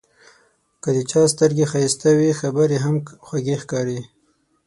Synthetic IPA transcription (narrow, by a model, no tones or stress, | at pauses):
kəd̪ət͡ʃɑst̪əɾɡexast̪awixabəɾeɦamxwaɡexkɑɾi